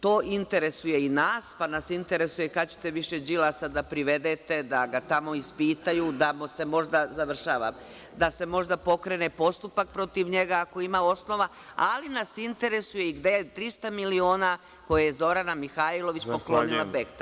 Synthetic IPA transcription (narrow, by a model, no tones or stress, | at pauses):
t̪o̞ːʔint̪e̞ɾe̞suje̞inaːspanasint̪e̞ɾe̞sujekat͡ɕe̥t̪e̞ʋiʃe̞d͡ʒilasad̪apɾiʋe̞d̪et̪e̞d̪aɡat̪amo̞ispiːt̪ajud̪amose̞mo̞ʒd̪azaʋr̩ʃaːʋa̰m | d̪ase̞mo̞ʒd̪apo̞kɾe̞nepo̞st̪upak̚pɾo̞t̪iʋɲe̞ɡaːko̞imao̞sno̞ʋa | a̰linasint̪e̞ɾe̞suje̞iɡd̪e̞t̪ɾist̪amilio̞ːna | kojejezo̞ɾanamixaːilˠo̞ʋit͡ʃppoklonilˠabekt̪a